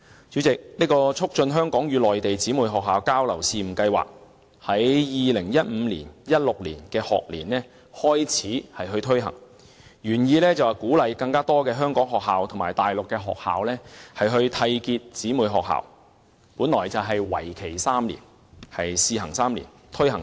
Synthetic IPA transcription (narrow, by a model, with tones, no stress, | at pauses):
t͡sy˨˥t͡sɪ˨k̚niː˥kɔː˧t͡sʰʊ˥k̚t͡ʃɵ˧nɦœː˥ŋkɔː˨˥ŋjyː˨˧lɔː˨jt̪e˨jt͡siː˨˥muː˨˩jɦɔː˨kɦaː˨wkaː˥wlɐ̰˨˩wsiː˧m̩˨˩kɐ˧jwa̰ː˨k̚ | hɐ˨˥jjiː˨lɪ˨˩ŋjɐ˥t̚m̩ː˨˧liː˨˩njɐ˥t̚lʊ˨k̚liː˨˩nkɛː˧hɔ̰ː˨k̚lḭː˨˩nlɛː˥ | hɔː˥jt͡sʰiː˨˥hɐ˨jɦɵ˧ɥt̪ʰɵ˥ɥɦɐ̰˨˩ŋ | ɥyː˨˩njiː˧lɛː˥t͡sɐ˨wɐ˨˩kuː˨˥lɐ˨jkɐ˧ŋkaː˥t̪ɔː˥kɛː˧ɦœː˥ŋkɔː˨˥ŋɦɔː˨k̚ɦaː˨wt̪ʰŋmaː˨˩jt̪aː˨jlʊ˨kːɛː˧ɦɔ̰ː˨k̚ha̰ː˨wlɛː˥hɐ˨jɦɵ˧ɥt̪ʰɐ˧jkiː˧t̚t͡siː˨˥muː˨˩jɦɔː˨k̚ha̰ː˨˩w | puː˨˥nlɔ̰ː˨˩jt͡sɐ˨wɦɐ˨jwɐ̰˨˩jkʰe˨˩jsaː˥mlḭː˨˩n | hɐ˨jsiː˨˧hɐ̰˨˩ŋsaː˥mlḭ˨˩n | t̪ʰɵ˥ɥhɐ˨˩ŋ